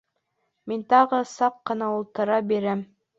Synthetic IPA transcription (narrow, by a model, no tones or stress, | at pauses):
mint̪ɑʁɤsɑqːɤ̆nɑulˠt̪ɤ̆ɾɑbiɾæm